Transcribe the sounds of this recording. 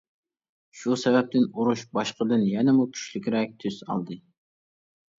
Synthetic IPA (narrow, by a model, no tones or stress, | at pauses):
ʃusɛvɛp̚t̪ʰɪnuɾuʃbɑʃqəd̪ɨnjɛnɪmukʲʰy̥ʃlɪkʲɾɛk̚ʲt̪ʰyzɑ̰lˠd̪ɨ